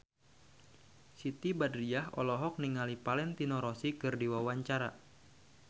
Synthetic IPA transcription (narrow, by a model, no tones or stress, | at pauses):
sit̪ibadɾiaɦɔ̰lɔɦɔk̚niŋalipalɛnt̪inɔɾɔsikɨrdiwawaɲt͡ʃaɾa